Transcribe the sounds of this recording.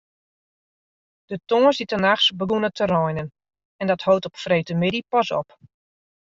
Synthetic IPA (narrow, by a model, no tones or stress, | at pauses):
d̥ətoːəsitənaxsbəɡunətʰərɔjnən | ɛndɔthowtɔpfrejtəmɪdipɑsɔ̰p